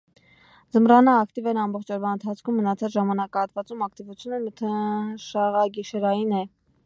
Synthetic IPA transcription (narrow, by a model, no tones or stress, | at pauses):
d͡zəmrɑnɑːkt̪ivɛɾɑmbɔχt͡ʃʰɔɾvɑənt̪ʰɑt͡sʰkʰumːənɑt͡sʰɑt͡sʒɑmɑnɑkɑɑt̪vɑt͡sumɑkt̪ivut͡sʰjunənət̪ʰəʃɑʁɑɡiʃɛɾɑjinɛ